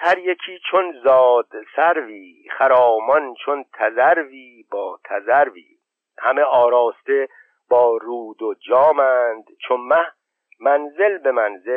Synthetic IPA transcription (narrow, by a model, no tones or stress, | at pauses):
hæɾjecʰiːt͡ʃʰonzɒːd̪̥sæɾviː | χæɾɒːmɒnt͡ʃʰo̞nt̪ʰæzæɾviː | bɒːt̪ʰæzæɾvḭː | hæme̞ɒːɾɒːst̪e̞ | b̥ɒːɾuːd̪od͡ʒɒːmænd̪̥t͡ʃʰonmæh | mænze̞lbe̞mænze